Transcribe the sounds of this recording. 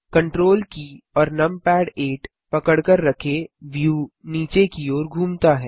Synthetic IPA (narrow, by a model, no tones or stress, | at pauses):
kɐ̃ɳʈɾoːlkiɔːɾnɐmpɛːɽeːʈ | pɐkəɽkəɾːɐkʰeʋjuːniːt͡ʃekiɔːɾɡʱuːmt̪aɦɛː